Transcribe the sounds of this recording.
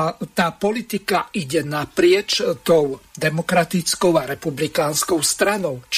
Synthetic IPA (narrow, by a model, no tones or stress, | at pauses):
t̪aːpɔlit̪ikaiɟɛnapɾɪɛt͡ʃt̪ɔʊd̪ɛmɔkɾat̪it͡skɔʊaɾɛpublikaːnskɔʊst̪ɾanɔʊt͡ʃ